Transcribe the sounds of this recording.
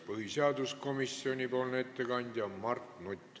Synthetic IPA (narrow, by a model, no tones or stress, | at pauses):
pɤhiseɑd̪usko̞misːio̞nʲipo̞ːlnet̪ːe̞kɑnʲd̪̥ʲjɑmɑrt̪nut̪ʲːˑ